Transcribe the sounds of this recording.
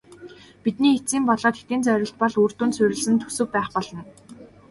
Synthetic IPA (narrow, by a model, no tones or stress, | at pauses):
pit̪niːxet͡siːmpɔɮɔːt̪xe̥t̪ĭːnt͡sœɾʲɪ̆ɬt̪̚pɔɮuːr̥t̪uːnt͡sʰʊɾʲɘ̆ɮsɘ̆nt̪ʰu̥sɵ̆k̚pæːχpɔɮɞ̆n